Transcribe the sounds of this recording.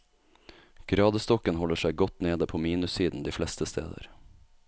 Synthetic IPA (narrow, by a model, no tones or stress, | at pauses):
ɡ̥ɾɑːd̪əst̪ɔkənhɔləʂæɪɡɔt̪neːd̪əpʰoːmiːnʉsiːd̪n̩d̪iːflɛst̪əst̪ʰḛːd̪ə̰ɾ